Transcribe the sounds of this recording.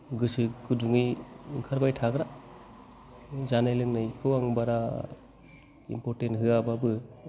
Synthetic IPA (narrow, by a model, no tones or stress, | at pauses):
ɡɯsɯɡɯduŋiɯŋkʰaɾbajtʰaɡɾa | zanajlɯŋnakʰɯwaŋbaɾa | ḭmpɔɾtentɦɯababɯ